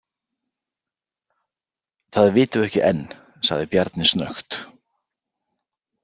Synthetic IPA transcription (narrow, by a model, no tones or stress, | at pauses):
θaðvɪːt̪ʏvɛhcɪʔɛnː | sa̰ɣðɪpjaɾt̪nɪsnœ̰xt̪